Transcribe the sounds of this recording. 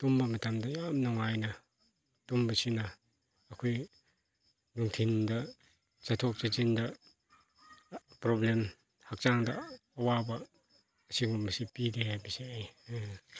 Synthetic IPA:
tumbɐmɐtamdɐjamnɔŋajnɐ | tumbɐsinɐː | kʰoj | nuŋtʰindɐ | t͡ʃatʰok̚t͡ʃat͡ʃindɐ | pɾoblem | hak̚t͡ʃaŋdɐːwabɐː | siŋumɐsipidehajbiseaj

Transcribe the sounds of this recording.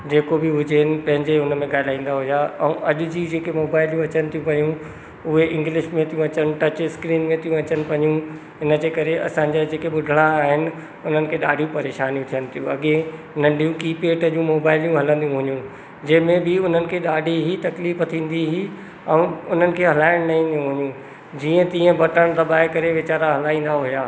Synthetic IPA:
d͡ʑeːkobɪɦʊd͡ʑeɦɪnɪ̆pɐ̃ɦɪ̃ɲd͡ʑeʊnəmẽɠaːɪlaːĩːnd̪aɦʊijaɛ̰̃ʔɐʄʊ̆d͡ʑiːd͡ʑeːkemoːbaːɪljũɐt͡ɕənɪ̆t̪ʰijũpɐjũ | ʊɦeɪ̃ŋɡlɪʃmẽt̪ʰijũɐt͡ɕənɪ̆ʈɐt͡ɕɪskɾiːnmẽt̪ʰijũɐt͡ɕənɪ̆pɐɲũ | ɦɪnəd͡ʑeːkɐɾeʔɐ̰sãːɲ̆d͡ʑad͡ʑeːkeɓʊd̪ʱəɽ̃aːɦɪnɪ̆ | ʊn̤ənɪ̆kʰeːɗa̰ːɖʱijũpɐɾeːʃaːnijũt̪ʰijənɪ̆t̪ʰijũɐɠẽ | nɐ̃ɳɖʱijũkiːpeːʈəd͡ʑũmoːbaːɪlijũɦɐlə̃nd̪ijũɦʊɲũ | d͡ʑɐɦmẽbɪʊn̤ənɪ̆kʰeːɗaːɖʱiɦit̪ɐkliːfət̪ʰĩːn̆d̪iɦi | ɛ̃ʊn̤ənɪ̆kʰeːɦɐlaːɪɽ̃nɐĩːn̆d̪ijũɦʊɲũ | d͡ʑiːə̃t̪iːə̃bɐʈəɽ̃d̪ɐbaːekɐɾeʋɪt͡ɕaːɾaɦɐlaːĩːn̆d̪aɦʊjaː

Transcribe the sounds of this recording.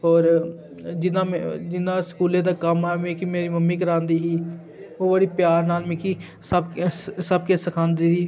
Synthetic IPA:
ɔːɾ | d͡ʒɪnaːmd͡ʒɪnãːskuːlẽːd̪aːkəmamẽːkiːmeːɾiːməmːĩːk̬əɾãːnd̪iːɦiː | oːbəɽiːpjaːɾnaːlmẽːki | səbksəb̚keːsəkʰãːnd̪iːɦiː

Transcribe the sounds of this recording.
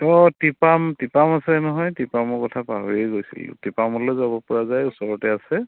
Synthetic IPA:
ɔtipamtipamasɛnɔɦɔjtipamɔkɔtʰapa̰ɦojejɡojsḭlʊ̰tipamɔlɔzabɔpɔɹazajusɔɹɔtɛasɛ

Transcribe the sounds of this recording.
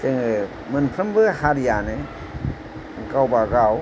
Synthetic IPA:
tɯŋɯ | mɯnpʰɾɯmbɯhaɾijanɯ | ŋ̩kawbaɡaw

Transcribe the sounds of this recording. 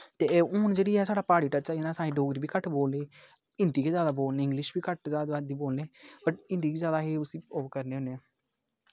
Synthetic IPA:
t̪eːʊːnd͡ʒeːɽiːɛːsaːɽaːpaːɽiːʈət͡ʃɛːɪnaːsaːĩɖoːɡɾiːbiːkəʈboːlneː | ɪnd̪iːkeːzjaːd̪aːboːlneːɪŋɡlɪʃbiːkəʈzaːd̪ad̪iːboːlneːbəʈɪ̃nd̪iːkeːzjaːd̪aːɦeːʊsĩːoːkəɾneːɦʊne

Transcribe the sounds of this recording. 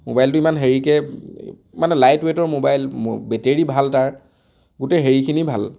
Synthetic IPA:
mobajltʊimanɦeɹikɛ | manɛlajtwetɔɹmobajlobɛteɹibʱaltaɹ | ɡuteɦeɹikʰinibʱa̰l

